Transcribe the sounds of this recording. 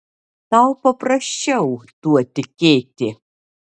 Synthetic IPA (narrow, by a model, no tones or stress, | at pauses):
t̪ɐwpɐpɾɐɕʲt͡ʃɛʊt̪uɔt̪ʲɪkʲeːt̪ʲɪ